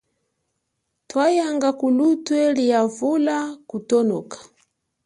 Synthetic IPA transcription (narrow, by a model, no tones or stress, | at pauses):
twajaŋɡakulutwɛlijavulakutɔnɔkḁ